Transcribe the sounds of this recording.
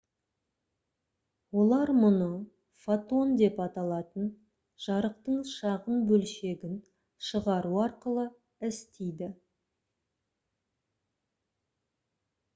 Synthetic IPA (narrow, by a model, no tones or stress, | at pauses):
wo̞lˠɑɾmʊnə | fat̪o̞nd̪e̞pɑt̪ɑlˠɑt̪ən | ʒ̥ɑɾəqt̪əɴʃɑʁənbɵlʃe̞ɡʲɪn | ʃəʁɑɾuɑɾqəlˠə | ɪst̪ejd̪ɪ